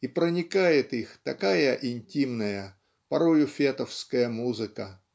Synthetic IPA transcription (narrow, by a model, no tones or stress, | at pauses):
ipɾənʲɪkajɪt̪ixt̪ɐkajəʔɪnʲtʲimnəjə | pɐɾojʊfʲet̪əfskəjəmuzɨkə